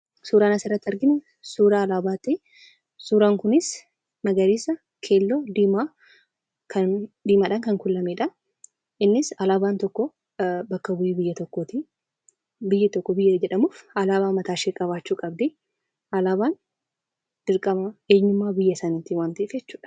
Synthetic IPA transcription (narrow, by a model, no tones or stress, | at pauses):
suːɾaːnɐsɪrːɐt̪ːɐɾɡɪmɛ | suːɾaːlaːbaːt̪ɪ | suːɾaːŋkʊnɪs | mɐɡɐɾiːsːɐ | kʰe̞ːlːoːd̪iːmaː | kʰɐnd̪iːmaːᶑɐŋkɐŋkʊlːɐmeːᶑɐ | ʔɪnːɪsɐlaːbaːnt̪ɔkːɔ | bɐkːɐbʊjiːbɪjːɐt̪ɔkːoːt̪ɪ | bɪjːɐt̪ɔkːɔbɪjːɐd͡ʒɛᶑɐmuːfɐlaːbaːmɐt̪aːʃekʼɐβaːt͡ʃːuːkʼɐbd̪ɪ | ɐlaːbaːn | d̥ɪɾkʼɐmɐeːɲːʊmːaːbɪjːɐsɐnit̪ːɪwaːnt̪ɐɪfd͡ʒɛt͡ʃːu̥ːᶑɐ̥